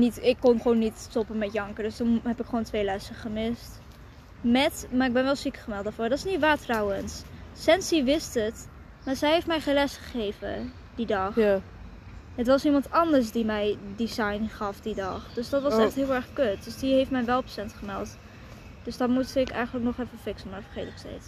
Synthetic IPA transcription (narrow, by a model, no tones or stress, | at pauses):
nitɪkːɔnχʋownːittɔpənmɛtjɑŋkəɹdøstunɦɛpɪkχʋoːntʋejlɛsəχəmɪst | mɛtmaːɪɡ̚bɛnʋɛlˠsikəχəmɛlˠt̚daːfʊːɹdɑtɪsnitʋaːtrɑwənsːɛnsiʋɪstət | maːɹzɛjɦejftmɛjχenlɛsχə̥χejvə̰ | didɑχ | ətʋɑsnimɑntɑndəɹs̬dimɛjdizɑjnχɑfdidɑχd̥øsdɑtʋɑsɛχtɦɪlˠɛɹχkøt̚døsdiɦejftmɛjʋɛlˠpsɛntχəmɛ̰lˠt | d̥øsdɑtmusɪkɛ̰jχənləknɔχɛfəfɪksənmaːɹfəɹχejtɪkstḛjt